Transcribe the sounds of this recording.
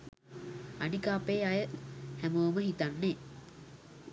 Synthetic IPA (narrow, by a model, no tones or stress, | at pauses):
anikaːpeːajəhæmoːməɦit̪anːe